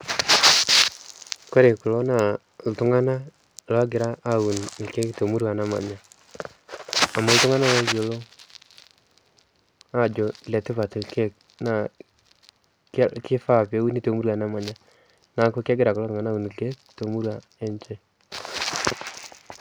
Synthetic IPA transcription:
kɔ˦ɾe˨kʊ˨lo˦na˨ | ltʊ˦ŋa˦na˦ | la˦ɡɪ˨ɾaː˦u˨n˨ke˦to˨mu˦ɾwa˨na˦ma̰˨ɲa˨ | ma˨ltʊ˦ŋa˦na˦lo˦jo˨lo˦ | a˦d͡ʒɔ˨lɛ˨tɪ˦pa˨tʊ˨ke˦ | na˨ | kkɪ˦fa˦˨pe˨˦u˦ni˦to˨mu˦ɾwa˨na˨ma˨ɲa˦ | na˨˦ko˦kːɡɪ˦ɾa˨kʊ˨o˦tʊŋa˦na˦u˨n˨ke˦ | to˨mu˦ɾwa˨ | e˦nt͡ʃɛ˦

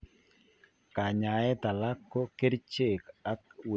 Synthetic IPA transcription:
ka˨ɲa˨ɛ˦t̪a˨la˦kːo˦ke˦dt͡ʃe˨ka˦kw

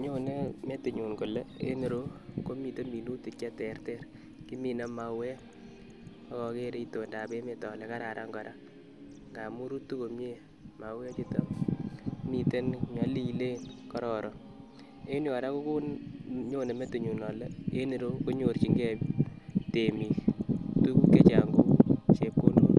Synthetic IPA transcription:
ɲo˦ne˦me˦tu˨ɲu˨nko˨lɛ˦ḛ˦ni˨ɾo˦ko˦mi˨te˦mi˨lu˦ti˨t͡ʃa˦tɛ˨˦rtɛ˦r | ki˦mi˨na˦ma˨we˦ | ɔ˦kɔ˨ke˦ɾe˦i˦to˨nda˨pe˦me˨tɔ˨le˦ka˦ɾa˨ɾʔa˦ŋɡɔ˨ɾʔa˦ | ŋɡa˨mu˦ɾu˦tu˦ko˨mje˦ | ma˨we˦t͡ʃi˦to˦m | mi˨te˦nɲɔ˦li˦˨le˦nkɔ˦ɾɔ˨ɾʔɔ˦ | e˦njɔ˨ɾa˦ko˦ku˦nɲo˦ne˨me˦tu˨ɲu˨nɔ˨lɛ˦e˦ni˨ɾo˦ko˦ɲo˨rt͡ʃi˨˦ŋɡɛ˦ | te˨mi˨ktu˦ku˦ke˦t͡ʃa̰˨ŋɡo˦t͡ʃe˦p̚ko˦no˦

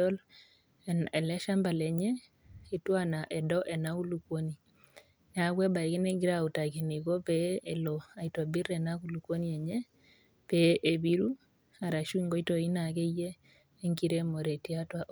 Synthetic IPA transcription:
ɔ˦l | ɛnɛ˨lɛ˦ʃa˦mba˨lɛ˨ɲɛ˦ | i˨twa˦na˨ʔɛ˨dɔ˦ʔɛ˨na˦u˦lu˨kwo˦ni˨ | a˨˦ɡwɛ˦ba˨kɪ˦nɛ˦ɡi˦ɾa˦u˨ta˨ki˨ni˨ɡo˦pee˨lo˨a˨i˨ta˨bi˦ɾɛ˨na˦ku˦lu˨kwo˦ni˦ɛ˨ɲɛ˦ | pe˦ʔe˨bi˦ɾu˦ | a˨ɾa˨ʃu˦i˦ŋɡo˦i˦to˨i˦na˨ke˦jeː˦ | ŋki˦ɾe˦mo˨ɾe˨ti˦a˦twa˨ʔ

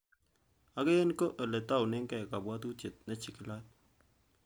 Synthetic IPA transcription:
a˨˦ke˦e˦nko˦ʔe˨le˨ta˦˨wne˦ŋkɛ˦˨ka˨bwa˦tu˦te˨t̚na˦t͡ʃi˨kɪ˦la˦t̚

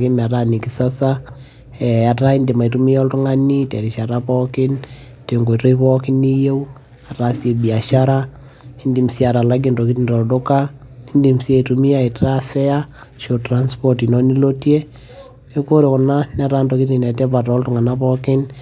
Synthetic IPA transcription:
kɪ˦m˨a˨ta˦ni˨ki˨sa˦sa | ɛ˨a˨ta˦i˦ndi˨ma˨i˨tu˦mi˦jɔ˦ltu˦ŋa˦ni˦tɛ˨ɾi˨ʃa˨ɾapɔkɪ˦n | teŋɡo˨to˦i˦pɔ˦kɪ˦ni˦je˦w | a˨ta˦se˨bi˨a˨ʃaɾa˦ | i˦ndimsi˦a˨ɾa˨la˦ɡ̬i˦ndo˨ki˦tindɔ˨ldo˦ka˦ | i˦ndi˨msi˦e˦i˨tu˨mi˦a˦i˨ta˦fɛ˦a˦ | ʃo˨tɾa˦nspɔtinɔ˦ni˦lo˦tje˦ | e˦ko˦ɾe˨kɔ˨na˦na˦ta˦ndo˨ki˦ti˨na˨tɛ˦pa˨tɔ˦ltʊ˦ŋa˨na˦pɔkɪ˦n

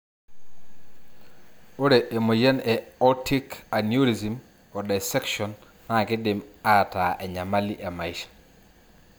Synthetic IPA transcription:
o˦ɾe˨ʔe˨mo˨je˦nɛ˨ɔ˦ti˦ka˨nju˦ɾi˨zi˨m | ɔ˨da˨sɛ˦kʃɔ˨nː | a˦˨kɪ˦dɪ˨ma˦˨ta˨ʔɛ˨ɲa˨ma˦li˦ʔa˨ma˨i˦ʃḁ

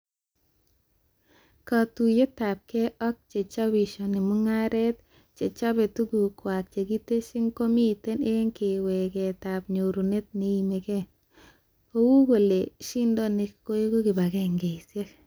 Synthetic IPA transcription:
ka˨tu˨je˦ta˨p̚ke˦ɔ˦k̚t͡ʃe˨t͡ʃa˦bi˨ʃo˨nɪ˨mʊ˦ŋa˦ɾe˦t̪̚ | t͡ʃe˨t͡ʃa˦be˨tu˦ɡu˨kwa˨k̚t͡ʃe˨ɡi˦te˦ʃɪ˦ŋko˦mi˦˨te˦ne˦ŋkɪ˨we˨ɡe˨ta˨pɲo˨ɾu˨ne˦t̚ne˨˦i˨me˨ke˦ | ko˦wu˦ɡo˨le˨ʃi˦ndo˦ne˨kko˦je˦ɡo˦ɡɪ˨ba˨ɡɛ˦ŋɡe˨se˦k

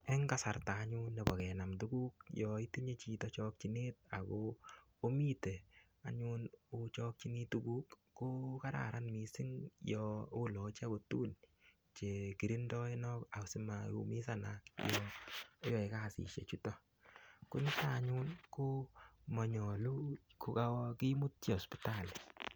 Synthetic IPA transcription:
ɛ˦ŋɡa˦sa˨ɾtaː˨˦ɲu˦nːɛ˨bɔ˨kɛ˨na˨mtu˦ɡu˦k̚jɔ˨i˦ti˦ɲe˦t͡ʃi˨tɔ˦t͡ʃɔ˦k̚t͡ʃi˦ne˦t̚a˨ko | o˦mi˦te˨ | a̰˨ɲu˦no˦t͡ʃɔ˦k̚t͡ʃi˦ni˦tu˦ɡu˦kː | o˦ka˦ɾa̰˨ɾa˦nmi˨sɪ˦ŋjɔo˦lɔ˨t͡ʃa˦ko˨tṵ˦n | t͡ʃe˨ki˨ɾi˦ndɔ˦e˦nɔ˦ka˨sɪ˦ma˨jo̰˧mi˦sa˦na˨kjɔ˦ | jɔ˨e˨ka˦˨sḭ˨ʃḛ˨t͡ʃu˦tɔ˦ | kṵ˦nɪ˦ta˦˨ɲu˦nko˦mɔ˨ɲɔ˨lu˦ko˦ka˦wki˦mu˦tt͡ʃe˦ɔ˨spi̥ta˦˨l

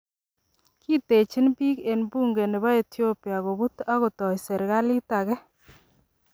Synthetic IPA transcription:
ki˦te˨t͡ʃi˦npi˦ke˨nbu˦ŋɡe˨ne˨βa˦e˨tjo˦pja˨ɣo˨bu˦ta˦ɣo˨tɔ˨jsɛ˨ɾɡa˦li˦ta˨ɣɛ˦

